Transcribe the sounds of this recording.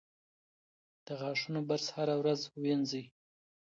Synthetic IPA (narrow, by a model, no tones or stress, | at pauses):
d̪̥əɣɑʂunobaɾshaɾawɾazwenzəj